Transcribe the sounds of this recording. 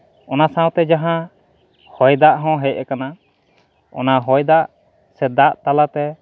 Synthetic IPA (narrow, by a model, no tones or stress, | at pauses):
ɔnasãwt̪ɛd͡ʒaɦã | hɔjd̪aʔɦɔ̃ɦɛc̚ɛkana | ɔ̰naɦɔjd̪aʔ | sɛd̪aʔt̪alat̪ɛ